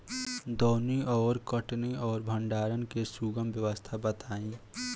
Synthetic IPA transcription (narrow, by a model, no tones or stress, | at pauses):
d̪ɔːniɔːɾkəʈniɔːɾbʱə̃ɳɖaːɾənkesuɡəmbjəʋəst̪ʰabət̪aːĩ